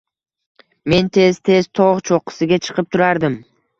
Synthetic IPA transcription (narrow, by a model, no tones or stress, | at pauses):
me̞nt̪ʰe̞z̥t̪ʰe̞zt̪ʰoʁt͡ʃʰoqːə̥sɨɡʲet͡ʃʰɨ̥qɯp̚t̪ʰʊɾɑɾd̪ɨm